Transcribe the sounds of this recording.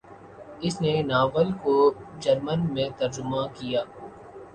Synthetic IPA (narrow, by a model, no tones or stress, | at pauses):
ɪsnenaːʋəlkod͡ʒɐɾmənmẽt̪ɐɾd͡ʒʊmakijaː